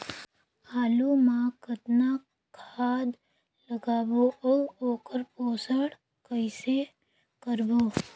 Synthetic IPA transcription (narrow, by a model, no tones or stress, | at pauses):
aːlumãkət̪na | kʰaːd̪ | ləɡaːbooːoːkəɾpoːsəɽ | kəɪse | kəɾboː